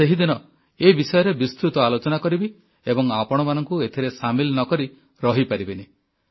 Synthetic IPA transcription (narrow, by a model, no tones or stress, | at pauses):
seɦid̪inɔ | ebisɔjɔɾebist̪ɾut̪ɔalot͡ʃɔnakɔɾibi | ebɔŋapɔɽ̃ɔmanɔŋkuet̪ʰiɾesamilnɔkɔɾi | ɾɔɦipaɾibene